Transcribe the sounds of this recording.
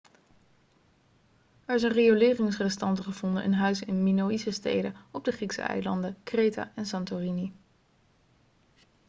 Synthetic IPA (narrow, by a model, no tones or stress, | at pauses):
ɛɹɪsənrejolɪːrɪŋsrɛstɑntχəv̥ɔndə̰ʔə̰nɦœɥsɪnminowisəstḛjdəɔb̚dəχriksə̰ɛ̰jlɑndəkrejta̰ːʔɛnsɑntorini